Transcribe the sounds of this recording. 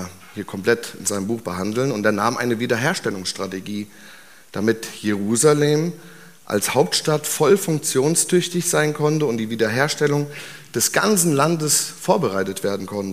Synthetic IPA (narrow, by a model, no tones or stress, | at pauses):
hiːɐkʰɔmpl̥ɛtɪ̰nzaɪnəmbuːxb̥əɦandl̩nʊntdeːɐnaːmʔa̰ɪnəviːdɐɦeːɐʃtɛlʊŋsʃtʁ̥ateɡiː | d̥amɪtjeʁ̞uːzaleːm | ʔa̰lshaʊp̚tʃtatfɔlfʊŋk̚t͡sjoːnstʰʏçtɪçz̥aɪnkʰɔntəʊntd̥iːviːdɐɦeːɐʃtɛlʊŋ | d̥ɛsɡ̥a̰nt͡sn̩landəsfoːɐbəʁaɪtətv̥eːɐdn̩kʰɔntə